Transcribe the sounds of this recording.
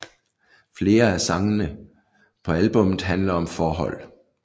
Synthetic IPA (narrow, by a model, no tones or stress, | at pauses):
fle̝ːɐæsɑ̈ŋənə | pʰɒ̽ælb̥ɔ̽mð̩ˠɦænlɐɒ̽mfɒːɦɒ̽l̰